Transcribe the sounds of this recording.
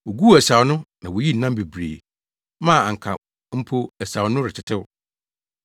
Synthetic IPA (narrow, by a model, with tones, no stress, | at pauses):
wo˨ɡu˦æ˨sa˨ʊ˨˦nʊ̃˦nã˨wo˨ji˦n̩˨nã˦m˦be˨bɾḛː˨ | mã˦˨a˨ŋ̩˨kʰa̰˨ | m̩˦pʰo˦æ˨sa˨wnʊ̃˦ɾɪ˨t͡ɕʰɪ˦tʰɪ˦wʊ˦